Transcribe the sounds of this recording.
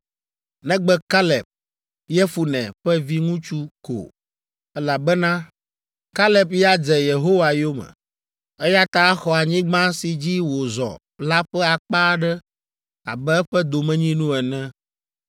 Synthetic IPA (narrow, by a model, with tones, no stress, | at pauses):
nɛ̃˦ɡ͡bɛ˦ka˦lɛ˨p̚ | jɛ˦fu˨nɛ̰̃˨ɸɛ˦vi˦ŋũ˦t͡ʃu˦ko̰˨ | ɛ˦la˨bɛ˦nã˦ | ka˦lɛ˦p̚ja˦d͡zɛ˨je˨ɦo˦wa˨jo˦mɛ̰̃˨ | ɛ˦ja˦t̪a˦xɔ˨a˨ɲĩ˦ɡ͡bã˦si˨d͡ʑi˦wo˨zɔ̰˨ | la˦ɸɛ˦a˨k͡pa˦ɖɛ˦ | a̰˨bɛ˦ɸɛ˦d̪o˨mɛ̃˦ɲĩ˦nũ˦ɛ˨nɛ̃˦